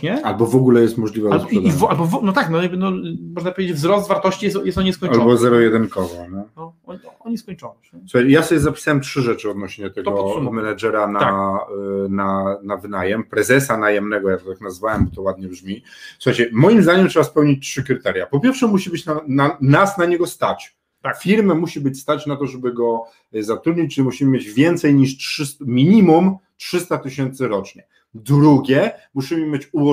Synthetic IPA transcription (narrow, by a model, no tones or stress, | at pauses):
ɲɛalbɔvɔɡulɛjɛst̪mɔʐlʲivaaɛd̪ivalbɔvɔnɔt̪aknɔɔɲibɛnd̪ɔ̃w̃mɔʐnapɔvʲed͡ʑed͡ʑvzɾɔsd̪t̪vaɾt̪ɔɕt͡ɕijɛjɛst̪ɔɲiskɔɲalbɔzɛɾɔjɛd̪ɛnkɔvɔnɛɔɔɔɲiskɔɲt͡ʂɔnɛsuxajt͡ɕɛjasɔbʲjɛzapʲi̥sawɛmtʂɘʐɛt͡ʂɘɔd̪nɔɕɲɛt̪ɛɡ̪ɔmɛnad͡ʐɛɾana | nanavɘnajɛmpɾɛzɛsanajɛmnɛɡɔjakt̪ɔt̪aknazvawɛmbɔt̪ɔwad̪̚ɲɛbʐmʲi | suxajt͡ɕɛmɔjimzd̪aɲɛmtʂɛbaspɛwɲit͡ɕʲtʂɘkɾɘt̪ɛɾʲjapɔpʲjɛɾfʂɛmuɕibɘt͡ɕnaanasnaɲɛɡɔst̪at͡ɕ̪ | fʲiɾmɛmuɕibɘt͡ɕʲst̪at͡ɕnat̪ɔʐɛbɘɡɔ | zat̪ɾud̪ɲit͡ɕʐɛmuɕimɘmʲjed͡ʑvʲjɛnt̪sɛjɲiʂtʂɘsmʲiɲimum | tʂɘst̪at̪ɘɕɛnt̪sɘɾɔt͡ʂɲɛ | d̪ɾuɡʲjɛmuɕimɘmʲet͡ɕuɔ